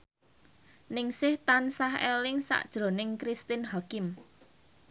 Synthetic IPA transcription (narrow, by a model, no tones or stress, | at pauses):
nɪŋsɪht̪ansahelɪŋsa̰ʔd̥ʒ̥ɾo̤nɪŋkɾist̪ɪnɦakɪm